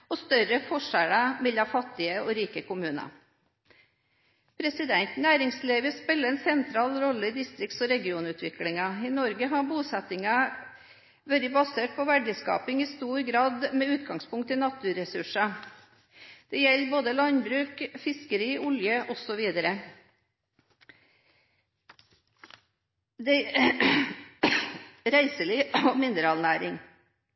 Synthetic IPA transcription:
ɔst̪œɾəfɔʂælɑmɛlːɑfɑt̪ːɪəɔɾiːkəkʊmʉːnɑ̰ | pʰɾɛsɪd̪ɛnt̪næːɾɪŋsliːʋəspɪlːəɛnsɛnt̪ʰɾɑːlɾɔlːəɪd̪ɪst̪ɾɪk̚t̪sɔɾɛɡɪuːnʉːt̪ʰʋɪklɪŋɑɪnɔɾɡəɦɑbuːsɛt̪ɪŋɑ | ʋɛld̪ɪbɑseːʈ̚pʰɔʋæɖəskɑ̰ːpɪŋɪst̪uːɾɡɾɑːd̪meːʉːt̪ɡɑŋspʊŋkt̪ʰːɪnɑt̪ʉːɾɛsʉʂɑ | d̪̥ɛjɛlːboːd̪əlɑnbɾʉːkfɪskəɾiːʔʊljəʔɔsɔʋiːd̪əɾə | d̪ɛ | ɾæɪsəliɔmɪnəɾɑlnæːɾɪ̰ŋ

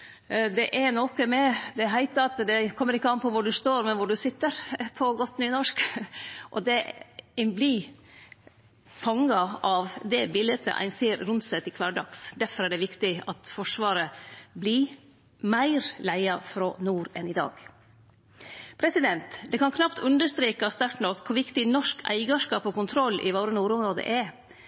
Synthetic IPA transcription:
d̪ɛʔæɾnɔkəmɛd̪ɛɦæɪt̪əɾɑt̪d̪ɛkʰɔmːəɾɪkːəɑnpʰɔʋʊɖʉst̪oːɾmɛnʋʊɖʉsɪt̪ːəɾpʰɔɡɔt̪ːnyːnɔʂk | ʔɔd̪ɛ | blɪ | fɑŋːɑʔɑʋd̪ɛbɪlət̪ə̰ʔæ̰ɪnseːɾɾʉnt̪sɛt̪ɪkʰlɑːɾɖɑksd̪æɾfɔɾæɖɛʋɪkt̪ɪɑt̪fɔʂʋɑːɾəbli | mæɪɾlæɪɑfɾɔnuːɾɛnɪd̪ɑ̰ːɡ | pʰɾɛsɪd̪ɛnt̪d̪ɛkʰɑnkʰnɑpt̪ʰʉnd̪əʂt̪ɾiːkɑst̪æʈnɔkkʰːʊɾʋɪkt̪ɪnɔʂkʰæ̰ɪɡɑʂkɑːpɔkʊnt̪ʰɾɔlːʔɪ̰ʋoːɾənuːɾʊmɾoːd̪ə̰ʔɛɾ

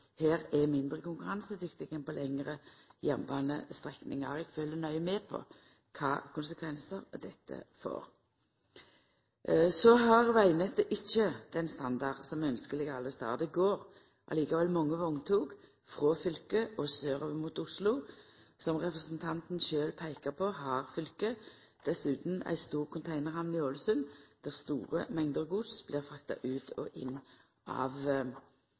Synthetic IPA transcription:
heːʁɛmɪnd̪ʁəkʊŋkʉʁɑnsəd̪ʏkt̪ɪɡɛnpɔlɛŋːʁəjɛmbɑːnə̰st̪ʁɛknɪ̰ŋɑ̰ʁɛɡ̥føːlənœʏmɛːpʰɔ̰ | kʰɑ̰ːkʊnsəkʰʋɛnsəɾd̪ɛt̪ʰːə̰fo̰ːʁ | sɔɦɑʁʋæɪnət̪əʔɪçːəd̪̥ɛnst̪ɑnd̪ɑʁsɔmœnskəlɪɡɑlːəst̪ɑ̰ːd̪əɡoːɾ | ʔɑ̰liːkɑʋɛlmɔŋːəʋɔŋt̪ʰuːɡ | fʁoːfʏlkəʔɔsøːʁoʋəmuːt̪ʊslʊsɔmʁɛpʁəsnt̪ʰɑnt̪n̩ʃøːlpʰæɪkəʁpʰɔhɑːʁfʏlkə | d̪̥ɛsʉːt̪n̩æ̰ɪst̪uːʁkʰʊnt̪ʰæɪnəʁhɑmnɪoːləsʉnd̪̥æʁst̪ṵːʁəmɛŋd̪əʁɡuːd̪sb̥lɪːʁfʁɑk̚t̪ɑ̰ʔʉːt̪ʰɔ̰ʔɪ̰nː | ʔɑ̰ːʋ

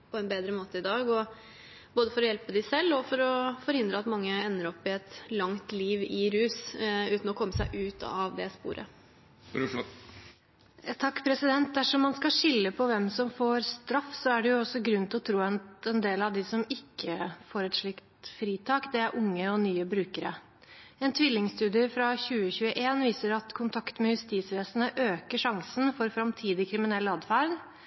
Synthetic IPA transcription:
pʰɔɛnbeːd̪ɾəmoːt̪əɪd̪ɑːɡɔ | boːd̪əfɔɾɔjɛlpəd̪ɪsɛlːɔfɔɾɔfɔɾhɪnd̪ɾəɑt̪mɑŋːəɛnːəɾɔpːɪɛt̪lɑŋt̪liːʋɪɾʉːsʉːt̪n̩ɔkʰɔmːəsæɪʔʉːt̪ɑ̰ʋd̪ɛspṵːɾʔə̰ | t̪ʰɑkːpʰɾɛsɪd̪ɛnt̪̚d̪æʂɔmːɑnskɑɕɪlːəpʰɔʋɛmsɔmfoːɾst̪ɾɑfːsɔæɖɛjʊɔsːɔɡɾʉnt̪ʰɪlɔt̪ʰɾuːɛnt̪ɛnd̪eːlɑʋd̪ɪsɔmɪkːəfoːɾɛt̪ʂɭɪkt̪fɾiːt̪ʰɑːkd̪ɛæɾʔʊŋːəɔnyːəbɾʉːkəɾə̰ | ɛnt̪ʰʋɪlːɪŋst̪ʉːd̪ɪəfɾɑçʉːəçʉːəʔeːnʋiːsəɾɑt̪kʰʊnt̪ʰɑkt̪mɛjʉst̪iːsʋeːsənəʔøːkəʂɑŋsn̩fɔɾfɾɑmt̪ʰiːd̪ɪkʰɾɪmɪnɛlːɑːd̪fæɾd̪

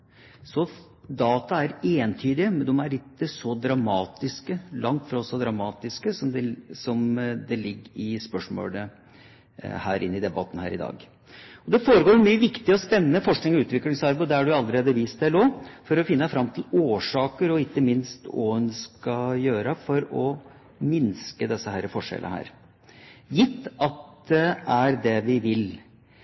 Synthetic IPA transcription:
sɔ | d̪ɑːt̪ɑæɾeːnt̪ʰyːd̪ɪəmɛnd̪ɔmæɭɪt̪ːəsɔd̪ɾɑmɑːt̪ɪskəlɑŋt̪fɾɑɔsɔd̪ɾɑmɑːt̪ɪskəsɔmd̪ɛsɔmd̪ɛlɪɡːɾɪspœʂmo̰ːlə | hæ̰ːɾʔɪ̰nːɪd̪ɛbɑt̪ːn̩hæ̰ːɾɪd̪ɑ̰ːɡ | ɔd̪ɛfoːɾəɡoːɾmyːəʋɪkt̪ɪəɔspɛnːənəfɔʂknɪŋɔʉːt̪ʋɪklɪŋsɑɾbʊd̪ɛæɖʉɑlːəɾeːd̪əʋiːst̪̚d̪æɪloːfɔɾɔfɪnːəfɾɑmːt̪ʰɪloːʂɑːkəɾɔɪkːəmɪnst̪o̰ʉnskɑjøːɾəfɔɾɔ | mɪnskəd̪ɛsːəhæːɾəfɔʂɛ̰lʔə̰hæ̰ːɾ | jɪt̪ːɑt̪̚d̪ɛæɾd̪ɛʋɪʋɪl

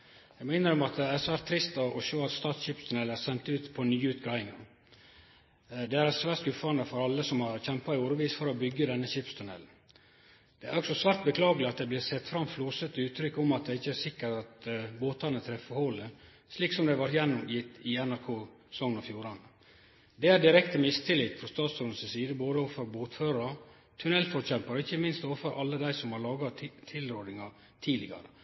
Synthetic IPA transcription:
jæɡmæɪnəɾɔmɑt̪̚d̪ɛæɾsʋæːɾt̪ʰːɾɪst̪ɔʔɔʃøːɑt̪st̪ɑːt̪sɕɪpst̪ʰʉnɛːlæɾsɛnt̪ʉːt̪pʰɔnyːʉːt̪ɡɑɪŋɑ | d̪ɛæɾsʋæːskʉfɑnəfɔɾɑlːəsɔmhɑɾçɛmpɑɪuːɾəʋiːsfɔɾɔbʏɡːəd̪ɛnːəçɪpst̪ʰʉnɛ̰ːln̩ | d̪̥ɛæɾɔksɔsʋæːɾt̪̚bəkʰlɑːɡəlɪɑt̪̚d̪ɛɪblɪːɾsɛt̪ːfɾɑmfluːsət̪əʉːt̪ʰɾʏkːɔmɑt̪̚d̪ɛɪçːəæɾsɪkːəɾɑt̪boːt̪ɑnət̪ʰɾɛfəhɔlə | sliːksɔmd̪ɛʋɑɾt̪jɛnːʊmjɪt̪ːɪɛnæɾkʰoː | sɔŋənɔfjuːɾɑn | d̪ɛæɖɪɾɛkt̪əmɪst̪ʰɪlɪːt̪fɾɔst̪ɑːt̪suːnsəsiːd̪əboːd̪əɔʋfɔɾboːt̪føːɾɑ | t̪ʰʉnɛlfɔɾɕɛmpɑɾɔɪçːəmɪnst̪oːʋfəɾʔɑlːəd̪æɪsɔmhɑɾɭɑːɡɑt̪ʰɪlɾøːɖnɪŋɑ | t̪ʰiːlɪɡɑ̰ɾə̰

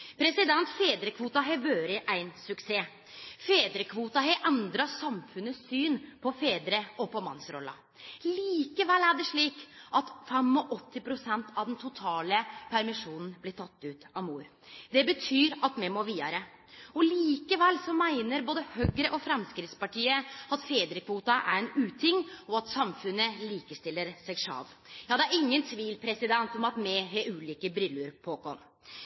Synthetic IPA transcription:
pʰɾɛsɪd̪ɛnt̪feːd̪ɾəkʰʋuːt̪ɑɦɛʋøːɾɪʔæɪnsʉkseː | feːd̪ɾəkʰʋuːt̪ɑɦɛʔɛnd̪ɾɑsɑmfʉnəsyːnpʰɔfeːd̪ɾəɔpʰɔmɑ̰nsɾɔ̰lːɑ̰ | liːkəʋɛlːæɖɛʂɭiːkʔɑt̪fɛmɔʔɔt̪ʰːɪpɾʊsɛnt̪ʰɑʋd̪ɛnt̪ʰʊt̪ʰɑːləpʰæɾmɪʂuːnn̩blɪʈ̪ʰɑt̪ːʉːt̪ɑmuːɾ | d̪ɛbət̪ʰyːɾɑt̪mɛmoːɾʋiːd̪ɑɾə | ɔliːkəʋɛlsɔmæɪnəɾboːd̪əhøɡɾəʔɔfɾɛmskɾɪt̪spɑʈiːəɑt̪feːd̪ɾɪkʰːʋuːt̪ɑʔæ̰ɾɛnʉːt̪ʰɪŋːɔɑt̪sɑmfʉnːəliːkəst̪ɪlːəɾsɛɡʂɑ̰lʋ | jɑːd̪ɛæɾɪŋːənt̪ʰʋiːlpʰɾɛsɪd̪ɛnt̪ɔmɑt̪mɛɦɛʉːliːkəbɾʏlːʉɾpʰɔkʰɔ̰n

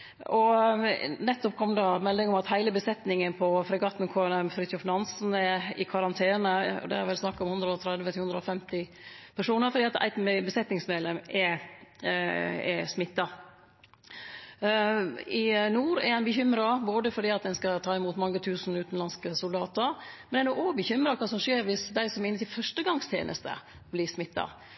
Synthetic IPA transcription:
ɔ | nɛt̪ːɔpkʰɔmːəd̪ɑmɛlːɪŋɔmɑt̪hæɪləbəsɛt̪nɪŋənpʰɔfɾɛɡɑːt̪n̩kʰoɛnɛmfɾɪt̪ʊfnɑnsn̩ɛɪkʰɑɾɑnt̪ʰeːnəɔ̰d̪ɛ̰æɾʋɛlsnɑkːɑɔmhʉnd̪ɾəɔt̪ʰɾɛd̪ʋət̪ɪhʉnd̪ɾəɔfɛmt̪ɪ | pʰæʂuːnəɾfɔd̪iːɑt̪æ̰ɪt̪mbəsɛt̪nɪŋsmeːd̪lɛmɛ | ɛ̰smɪt̪ːɑ | ɪnuːɾɛ̰ɾæɪnbəçʏmɾɑboːd̪əfɔɖiːɑt̪̚d̪ɛnskɑt̪ʰɑːɪmuːt̪mɑŋːət̪ʰʉːsn̩ʉːt̪n̩lɑnskəsʊld̪ɑːt̪əɾmɛnæɾnɔkobəçʏmɾɑkʰɑːsɔmʂeːɾʋɪsd̪æɪsɔmɪnːət̪ʰɪlfœʂʈəɡɑŋst̪ʰjḛːnʔə̰st̪ə̰ | blɪːsmɪt̪ːɑ̰

